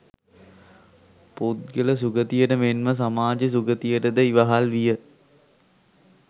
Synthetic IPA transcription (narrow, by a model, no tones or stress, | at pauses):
put̪̚ɡələs̬uɡət̪ijəʈəmenməs̬amaːd͡ʒəs̬uɡət̪ijəʈəd̪əiʋaɦalʋijə